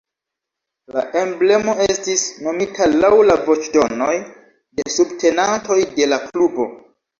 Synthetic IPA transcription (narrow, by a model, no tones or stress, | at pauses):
la̰ʔe̞mble̞mo̞e̞stisno̞mitʰalawlavo̞t͡ʃdo̞no̞j | de̞subtʰe̞nanto̞jde̞laklubo̞